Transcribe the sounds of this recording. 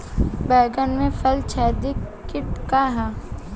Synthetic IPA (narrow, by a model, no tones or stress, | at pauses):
bɛːɡənmẽfʰɐlt͡ʃʰɛːd̪ikɪʈkaɦa